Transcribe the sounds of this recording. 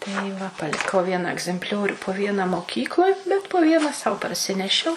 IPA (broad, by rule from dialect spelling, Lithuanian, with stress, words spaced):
tɐɪ ˈʋɐ pɐlʲɪˈkɐʊ ˈʋʲiɛnɐ ɐɡzʲɛmʲpʲˈlʲoːrʲuː poː ˈʋʲiɛnɐ moːˈkʲiːklˠoːj bʲɛt poː ˈʋʲiɛnɐ sɐʊ pɐrʲˈsʲɪnʲɛʃʲɛʊ